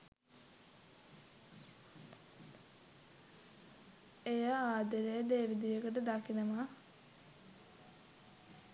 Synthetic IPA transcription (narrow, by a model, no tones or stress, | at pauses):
ejaaːd̪əɾed̪eːɾid̪ijəkəʈəd̪akinəma